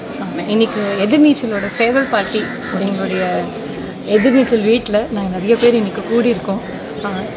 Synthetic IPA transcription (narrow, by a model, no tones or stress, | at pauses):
aːmɐɪnːɪkːɯɛðɯɾniːt͡ʃːɐloːɽɐseːʋɐlpaːɾʈːi | ɛŋɡɐɭʊɽɐjɐ | ɛðɪɾniːt͡ʃːɐlʋiːʈːɪlɐnaːŋɡɐnɪɾɐjɐpeːɾɪnːɪkːɯkuːɽiɪɾɯkːʊ̃ | a